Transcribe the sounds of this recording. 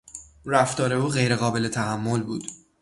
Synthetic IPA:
ræft̪ɒːɾe̞uːɣe̞jɾe̞ɣɒːbe̞le̞t̪ʰæɦæmːolbuːd̪̥

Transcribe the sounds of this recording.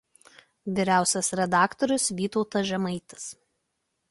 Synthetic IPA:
ʋʲɪɾʲæˑʊsʲɛsɾʲɛd̪ɑːkt̪ɔɾʲʊsʋʲiːt̪ɔʊt̪ɐʒʲɛmɐɪt̪ɐ̥s

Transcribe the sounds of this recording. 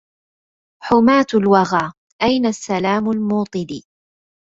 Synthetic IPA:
ħʊmaːt̪ʊlwɑɣaː | ʔajnasːalaːmʊlmuːt̪ˤɨd̪iː

